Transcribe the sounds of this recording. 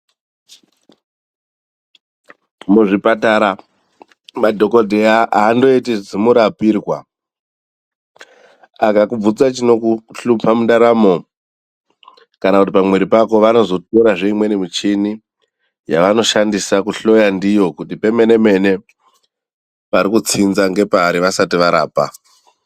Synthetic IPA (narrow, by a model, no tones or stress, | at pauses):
muʐipataɾa | madʱo̞ko̞dʱeaʔaːndo̞itid͡zimuɾapiːrwa̰ | akakub͡vut͡sat͡ʃino̞kuɬupʰamundaɾamo̞ | kanakutipamwe̞ɾipako̞ʋano̞zo̞to̞ɾaʐe̞imwe̞nimut͡ʃini | ja̰ʋano̞ʃandisakuɬo̞jandijo̞kutipe̞me̞ne̞me̞ne̞ | paɾikut͡sinzaŋɡe̞paːɾiʋasatiʋaɾa̰ːpa̰